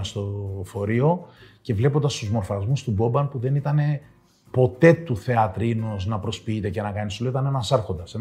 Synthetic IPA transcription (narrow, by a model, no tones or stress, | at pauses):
st̪o̞fo̞ɾio̞ce̞vle̞pond̪ɐst̪uzmo̞ɾfɐzmust̪ubo̞bɐnpuðe̞nit̪ɐne̞ | po̞t̪e̞t̪uθe̞ɐt̪ɾinuznɐpɾo̞spiit̪e̞ce̞nɐkɐnist̪oloit̪ɐnenɐsɐɾxo̞nd̪ɐse